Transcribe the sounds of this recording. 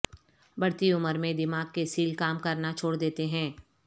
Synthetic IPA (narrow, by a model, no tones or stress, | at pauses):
bɐɽt̪iʊməɾmẽd̪ɪmaːɡ̚kesiːlkaːmkɐɾnat͡ʃʰoːɽd̪eːt̪eɦɛ̃ː